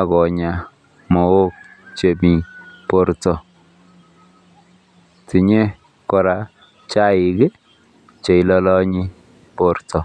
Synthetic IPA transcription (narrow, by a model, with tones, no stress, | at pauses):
a˨kɔ˨ɲa˨ | mɔ˨o˦k̚t͡ʃe˨mi˨po˨ɾtɔ˨ | ti˨ɲe˦ | kɔ˨ɾa˨ | t͡ʃa˦ɪ˨ɡɛ˦ | t͡ʃe˨i˦lɔ˦lɔ˦ɲi˦ | po˨ɾtɔ˨